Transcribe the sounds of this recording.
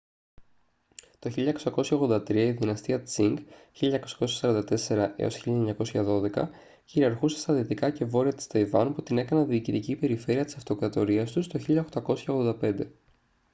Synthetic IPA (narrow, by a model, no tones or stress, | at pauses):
t̪o̞çiʎɐeko̞sɐko̞sçɐoɣðo̞nd̪ɐt̪ɾiɐiðinɐst̪iɐt͡siŋɡçiʎɐɲɐkosɐ̥ko̞s̬çɐ̥sɐɾɐnd̪ɐt̪e̞se̞ɾɐʔḛo̞̰sçiʎɐeɲɐko̞sçɐðo̞ðe̞kɐ̰ | çiɾiɐɾxusest̪ɐðiot̪ikɐce̞vo̞ɾiɐt̪i̥st̪ɐjvɐnput̪ine̞kɐnɐðiːcit̪icipe̞ɾife̞ɾiɐt̪i̥sɐft̪o̞kɾɐt̪o̞ɾiɐst̪ust̪o̞çiʎɐoxt̪ɐko̞sçɐoɣðod̪ɐpe̞nd̪e̞